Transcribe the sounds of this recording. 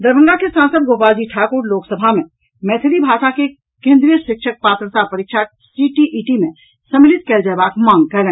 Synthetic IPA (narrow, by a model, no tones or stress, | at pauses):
d̪əɾbʱə̃ŋɡakesãːnsəd̪̚ɡoːpaːd͡ʒiʈʰaːkoːɾloːksəbʱamẽ | mɛːt̪ʰɪlibʱaːʃake | kẽːnd̪ɾijəʃɪkʃək̚paːt̪ɾəsaɾpəɾɪkʃa | siʈiʔiːʈimẽ | səmɪlɪt̪̚kɛld͡ʒɛːbaːkmãːŋɡ̚kəlẽː